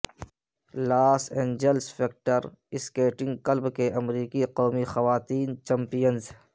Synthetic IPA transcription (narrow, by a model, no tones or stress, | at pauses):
laːsẽːɲd͡ʒelsfeːk̚ʈəɾɪskeːʈɪ̃ŋɡkɐlbkeʔɐmɾiːkiqɔːmixɐʋaːt̪iːnt͡ʃɐ̃mpijənz